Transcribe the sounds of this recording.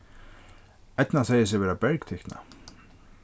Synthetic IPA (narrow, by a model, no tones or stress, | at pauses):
ɛt̪naθɛjɪsɪʋɛːɾabɛɾkt̪ʰɛhk̪na̰